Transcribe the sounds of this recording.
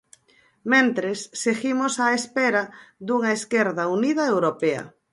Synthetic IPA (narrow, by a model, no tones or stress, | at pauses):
mẽnt̪ɾesːeɣimosaespeɾaðuŋaeskeɾðaunið̞aewɾopea̰